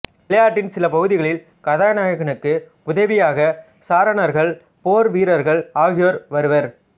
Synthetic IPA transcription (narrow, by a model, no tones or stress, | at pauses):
ɪlɐjaːʈːɪnsɪlɐpɐɣɯðɪɣɐɭɪl | kɐðaːnaːjɐɣɐɳɯkːɯ | ʊðɐʋɪjaːɣɐ | saːɾɐɳɐɾɣɐɭ | poːɾʋiːɾɐɾɣɐɭaːɣɪjoːɾʋɐɾɯʋɐɾ